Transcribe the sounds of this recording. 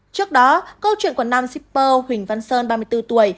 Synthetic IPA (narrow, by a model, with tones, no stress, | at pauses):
t͡ɕɨ˦˥ək̚ɗɔ˨˦kə˧wt͡ɕwḭ˧˨nkwnaː˧msi˦˥p̚ːəː˧hwï˨˩ŋ̟va˧nsəː˧nɓaː˧mɨ˧əjt̪ɨ˧t̪u˧˩əj